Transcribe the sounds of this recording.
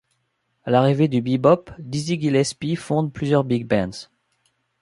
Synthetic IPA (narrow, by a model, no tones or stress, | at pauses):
alaʁived̪ybibɔpd̪iziɡilɛspifɔ̃d̪plyzjœʁbiɡ̚bɛ̃d̪z̥